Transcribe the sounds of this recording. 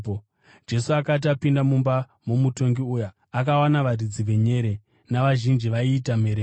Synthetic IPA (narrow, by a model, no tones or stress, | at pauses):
d͡ʒe̞suakat̬apindamumba | mumuto̞ŋɡiujaː | kawanaʋarid͡ziʋe̞ɲe̞ɾe̞ | naʋaʒind͡ʒiʋaiːtame̞ɾeː